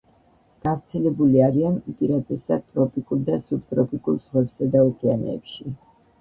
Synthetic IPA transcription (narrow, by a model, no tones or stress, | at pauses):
ɡ̥avɾt̪sʰɛlɛbuliaɾianpʼiɾat̪ʼɛsad̪̚t̪ʼɾɔpʼikʼuɾd̪asupt̪ʼɾɔpʼikʼulˠsʁwɛbsad̪aukʼɛanɛ̰pʃi